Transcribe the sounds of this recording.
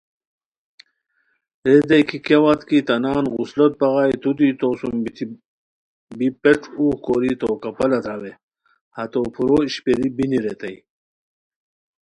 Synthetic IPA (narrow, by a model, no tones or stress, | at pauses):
ɾed̪ɐjkʰikewat̪kit̪ɐnaːnɣuslɐt̪̚bɐɣajt̪ud̪it̪oːsumbit̪ʰi | bipeʈ͡ʂʰuːxkoɾit̪oːkɐpɐlɐt̪awe | hɐt̪opʰuɾoiɕpeɾibiniɾet̪ɐj